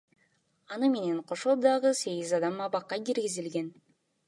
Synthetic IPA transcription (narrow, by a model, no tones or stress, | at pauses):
ɑnɯme̞ne̞ɴqʰo̞ʃod̪ɑʁɯse̞ɡizɑd̪ɑmɑβɑqːɑkiɾɡizilɡe̞n